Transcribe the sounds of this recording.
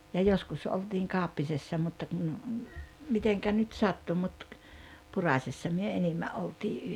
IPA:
jɑ joskus oltiːŋ kɑˑopːisesːɑ mutːɑ kun miteŋkæ nyt sɑtːu mut purɑˑsʲesːɑ myø enimːæ ʔoltiː

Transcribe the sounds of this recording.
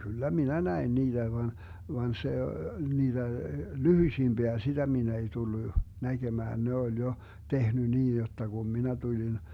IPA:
kylːæ minæ næin niːd̥æ ʋɑn ʋɑn se niːd̥æ lyhyĭsimb̥iæ sitæ min ei tulːu næɡ̊emæːn ne olʲ jo tehny niːn̞ jotːɑ ɡ̊um minæ tulin

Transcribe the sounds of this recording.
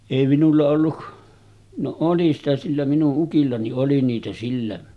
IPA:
eˑi minulːɑ olːu no oli sitæ silːæ minuʔ ʔukilːɑ niʔ ʔoli niːtæ silːæ

